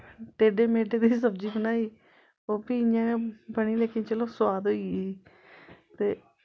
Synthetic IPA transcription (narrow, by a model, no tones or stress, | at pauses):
ʈ̪eːɖeːmeːɖeːd̪iːs̬əbd͡ʒiːbənaːiː | oːpiːãːbəniːleːkẽːt͡ʃəloːswaːd̪ɦoːiː | t̪eː